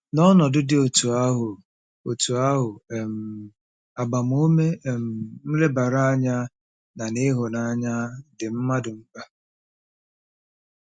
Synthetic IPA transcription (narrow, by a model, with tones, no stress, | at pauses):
nɔ˦nɔ˨dʊ˦dɪ˨o˨tu˨a˦ɦʊ˨ | o˨tu˨a˦ɦʊ˨m̩˨ | a˨ɡ͡ba˨m˦o˦me˦e˨m̩˨n̩˦le˦ba˨ɾa˦a˦ɲa˦ | na˨nɪ˦ɦʊ˨na˦ɲa˦dɪ˨m̩˦ma˦dʊ˨m̩˦k͡pa˦